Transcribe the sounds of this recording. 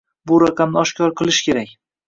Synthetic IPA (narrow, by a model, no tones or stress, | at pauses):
bʊɾaqʰɑmnɪɒʃkʲɒɾqʰɨlˠɪʃkʲʰe̞ɾak̚ʲ